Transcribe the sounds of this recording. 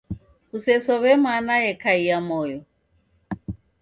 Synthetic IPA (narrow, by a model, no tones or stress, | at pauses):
usɛsɔβɛmanajɛkʰaijamɔjɔ